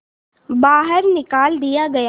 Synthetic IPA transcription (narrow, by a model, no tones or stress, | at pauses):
baːɦəɾnɪkaːld̪ijaɡɐja